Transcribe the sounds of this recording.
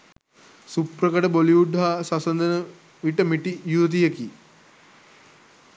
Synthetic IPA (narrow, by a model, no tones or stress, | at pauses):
suprəkəʈəboliuɖʱaːsasɐnd̪ənə | ʋiʈəmiʈijuʋət̪̬ijəki